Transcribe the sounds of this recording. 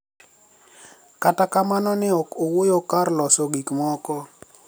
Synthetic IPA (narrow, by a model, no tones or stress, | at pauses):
katakamanɔnɪɔkowojokarlɔsɔɡikmɔkɔ